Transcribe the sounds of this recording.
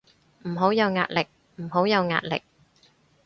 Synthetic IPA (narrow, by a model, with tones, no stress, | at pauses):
m̩˨˩ɦo˨˥wjɐ˨˧wŋa̰ː˧t̚lɪ˨k̚ | m̩˨˩ɦo˨˥wjɐ˨˧wŋa̰ː˧t̚lɪ̰˨k̚